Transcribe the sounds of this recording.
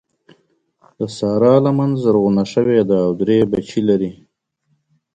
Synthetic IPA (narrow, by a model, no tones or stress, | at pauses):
d̪əsɑːɾɑːlamanzəɾɣunaʂəwed̪əːwd̪ɾebat͡ʃilaɾi